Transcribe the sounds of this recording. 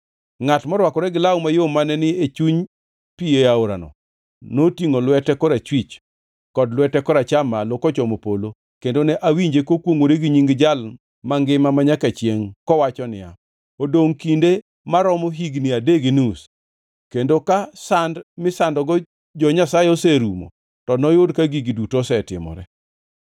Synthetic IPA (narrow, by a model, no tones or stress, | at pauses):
ŋatmɔɾwakɔɾɛɡɪlaumajomanɛnɪet͡ʃuɲ | pieaoɾa̰nɔ̰ | notiŋolwɛtɛkɔɾat͡ʃwit͡ʃ | kɔdlwɛtɛkɔɾat͡ʃamalokɔt͡ʃɔmopolo | kendonɛʔawiɲd͡ʒekokwoŋwoɾeɡiɲiŋɡd͡ʒal | maŋɡɪmamaɲakat͡ʃjeŋkɔwat͡ʃɔnɪ̰a̰ | odoŋkinde | maɾɔmoɦiɡnɪadeɡinus | kendokasandmɪsandɔɡɔ | d͡ʒɔɲasaeoseɾumo̰ | tɔnɔjʊdkaɡiɡidutosɛtɪmɔ̰ɾɛ̰